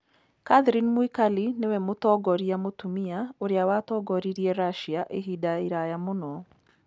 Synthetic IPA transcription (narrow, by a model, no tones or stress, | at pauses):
kaðɾinmwikalinewɛmotɔɡɔɾiamotumiaoɾeawatɔːɡɔɾiɾiɛɾaʃiaʔeɦidaiɾajamonɔ